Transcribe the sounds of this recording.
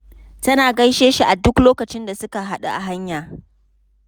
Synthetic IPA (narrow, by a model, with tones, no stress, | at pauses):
tɐ˦naː˨ɡɐ˦jʃeː˦ʃi˨ʔa˨dʊ˦kloː˦kɐ˨t͡ʃɪ˦nda˨sʊ˦ka˨ɦa˦ɗa̰˨ʔa̰˨ɦa˦ɲjaː˨